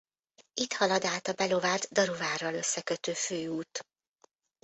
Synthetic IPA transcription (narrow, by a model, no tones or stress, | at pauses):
it̪hɒlɒd̪aːt̪ɒbɛlo̞vaːt̪d̪ɒɾovaːrɒlø̞sːɛkøt̪øːføːuːt̪